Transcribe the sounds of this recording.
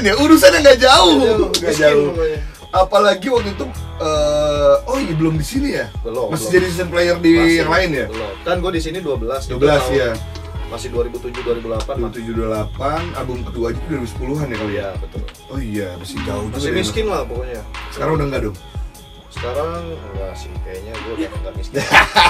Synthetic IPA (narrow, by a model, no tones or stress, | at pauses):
njauɾus̬aɲaŋɡad͡ʒaʊŋɡaad͡ʒaʊ | apalaɡiwak̚t̪ut̪uə | onibəlʊmdisinijabəlɔmasd͡ʒadisisanplejərdijaŋlaɪnjabəlɔkanɡuadisiniduabəlasduabəlasja | masɪhduaɾibut̪ud͡ʒʊduaɾibulapandibut̪ud͡ʒuhdualapana̰bʊmkat̪̚duad͡ʒut̪uduaɾibusə̥puluɦanjakalojabət̪ʊ̰l | oijamasɪd͡ʒaʊt̪umiskɪnlahpəkoɲasə̥kaɾaŋudaŋɡadʊŋ | sə̥kaɾaŋwasiŋkaɲaɡuaaŋɡamis